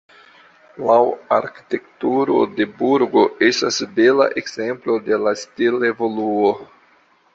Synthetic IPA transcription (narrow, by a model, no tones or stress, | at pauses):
lawaɾki̥te̞ktuɾo̞̰de̞buɾɡo̞ʔestasbela̰ʔe̞ɡz̥e̞mplo̞de̞lastile̞vo̞luo